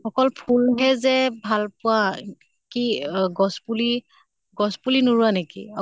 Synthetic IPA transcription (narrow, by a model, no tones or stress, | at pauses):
xɔkɔlpʰulɦɛzɛbʱalpʊa | kiɡɔspuli | ɡɔspulinuɹuanekḭa